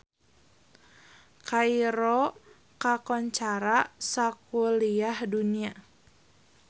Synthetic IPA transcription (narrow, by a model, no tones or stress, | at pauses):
kaiɾɔ | kakɔɲt͡ʃaɾasakuliahdunia